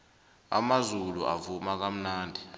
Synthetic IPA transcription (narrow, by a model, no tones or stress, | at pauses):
a̰mazuluʔa̰vumak̬am̩naːndʱi